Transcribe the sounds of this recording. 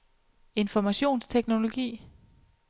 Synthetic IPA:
e̝nfɒmæɕo̝̰ːnst͡sʰeɡ̥no̝lo̝ɡ̥ḭː

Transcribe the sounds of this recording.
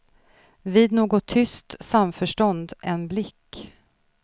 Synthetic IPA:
viːd̪noːɡɔt̪ʰːʏst̪samfœʂʈɔnd̪ɛnblɪkː

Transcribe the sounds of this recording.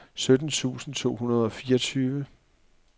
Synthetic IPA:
sød̥n̩t͡sʰṵːsn̩t͡sʰo̝̰ːɦunɐð̞ˠɒ̽fiːɐɒ̽t͡sʰyːʋə

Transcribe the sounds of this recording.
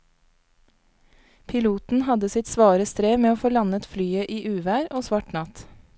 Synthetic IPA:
pʰɪluːt̪n̩hɑd̪əsɪt̪sʋɑːɾəst̪ɾeːmeːoːfoːlɑnət̪flyːəʔiːʔʉːʋæːɾoːsʋɑʈnɑt̪

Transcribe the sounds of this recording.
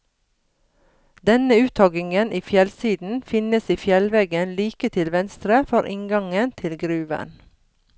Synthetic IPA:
d̪ɛnəʉːt̪ʰɔɡɪŋənʔiːfjɛlsiːd̪n̩fɪnəsiːfjɛlʋeːɡənliːkət̪ʰɪlʋɛnst̪ɾəfɔɾʔɪŋɡɑŋənt̪ʰɪlɡɾʉːʋə̰n

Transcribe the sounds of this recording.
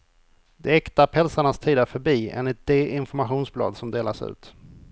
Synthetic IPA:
d̪ɛɛkt̪aɾpʰɔhɛlsaɳast̪ʰiːd̪əɾfœɾbiːḛːnlɪt̪̚d̪eʔɪnfɔɾmaɧuːnsblɑ̰ːd̪sɔmd̪eːlaʂʉ̟̰ːt̪

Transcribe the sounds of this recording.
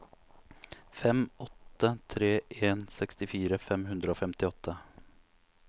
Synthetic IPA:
fɛmʔɔt̪ːət̪ʰɾeːʔeːnsɛkst̪ɪfiːɾəfɛmɦʉnd̪ɾəoːfɛmt̪ɪɔt̪ʰːə

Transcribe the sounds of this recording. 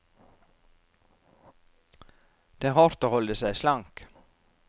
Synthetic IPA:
d̪̥eæːɾhɔɾt̪oːhɔld̪əsæɪslɑŋk

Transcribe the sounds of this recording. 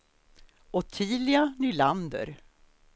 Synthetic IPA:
ɔt̪ʰiːlɪanyland̪ə̰ɾ

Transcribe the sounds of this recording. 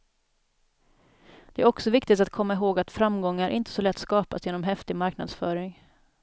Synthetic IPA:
d̪̥ɛæɾɔksɔvɪkt̪ɪt̪at̪̚kʰɔmːaɪɦoːɡat̪fɾamɡɔŋːaɾʔɪ̰nt̪ə̥sɔlɛt̪ːskɑːpasjeːnɔmɦɛft̪ɪɡmaɾkna̰d̪sfœːɾɪŋ

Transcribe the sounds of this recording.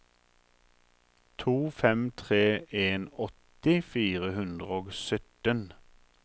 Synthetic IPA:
t̪ʰuːfɛmt̪ʰʁeːʔeːnɔt̪ɪfiːʁəhʉnd̪ʁəoːɡsœt̪ən

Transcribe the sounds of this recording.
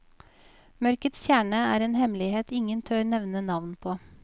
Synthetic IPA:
mœɾkət̪sçjæːɳəæ̰ːɾeːnhɛmlɪheːt̪ɪŋənt̪ʰøːɾnɛʋnənɑʋnpʰoː

